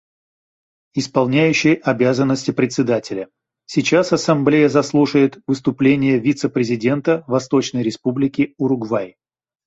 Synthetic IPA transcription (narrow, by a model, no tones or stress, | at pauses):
ɪspɐlˠnʲæjʉɕːɪjɐbʲazənːəsʲtʲɪpɾʲɪt̪ʲsʲɪd̪atʲɪlʲə | sʲɪt͡ɕasɐsɐmblʲejəzɐslˠuʂəjɪt̪vɨs̬t̪ʊplʲenʲɪjəvʲit̪səpɾʲɪzʲɪdʲe̞nt̪əvɐst̪o̞t͡ɕnəjɾʲɪspublʲɪkʲɪʊɾʊɡvaj